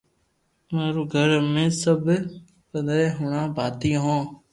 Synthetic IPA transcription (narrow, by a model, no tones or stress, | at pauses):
meːɾuːɡʱəɾmẽːsəbʱ | kənd̪ɾeːɦʊɳãːbʱaːt̪ĩːɦõː